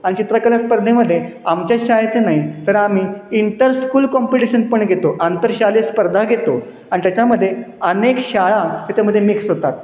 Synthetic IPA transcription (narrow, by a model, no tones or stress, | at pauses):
aɽ̃it͡ɕit̪ɾakəlaspəɾd̪ʱeməd̪ʱːje | amt͡ɕjaɕajət͡sənaɦit̪əɾam̤iːiɳʈəɾskuːlkɔmpiʈiɕənpəɳɡʱet̪oʔant̪əɾɕalespəɾd̪ʱaɡʱet̪o | aɽ̃it̪jat͡ɕaməd̪ʱːjeənekɕaɭat̪jat͡ɕaməd̪ʱːjemiksɦot̪at̪̚